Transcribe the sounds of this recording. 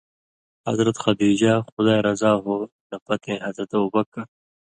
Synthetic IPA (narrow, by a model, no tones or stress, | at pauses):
hɐ̰zɾɐt̪xɐd̪iːd͡ʑaːxʊd̪aːjɾɐzaːɦoː | nɐpɐt̪ʰẽːɦɐzɾɐt̪ɐubɐkːɐ